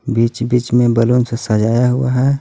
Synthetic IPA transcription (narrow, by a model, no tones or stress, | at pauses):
biːt͡ʃbiːt͡ʃmẽbəlonsesəd͡ʒaːjaɦʊaɦɛː